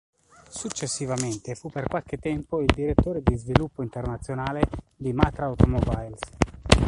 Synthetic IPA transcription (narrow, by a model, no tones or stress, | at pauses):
sut͡ʃːesːivament̪efupːerkwalk̟et̪ːɛmpoild̪iɾet̪ːoːɾed̪izvilupːoint̪ernat̪sːjonaːle | d̪imat̪ɾaawt̪omɔbajls